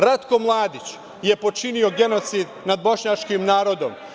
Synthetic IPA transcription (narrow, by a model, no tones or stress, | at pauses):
ɾat̪ko̞mlˠaːd̪it͡ɕ | je̞po̞t͡ʃinio̞ɡe̞no̞t̪sid̪nad̪̚bo̞ʃɲat͡ʃkimnaːɾo̞d̪o̞̰m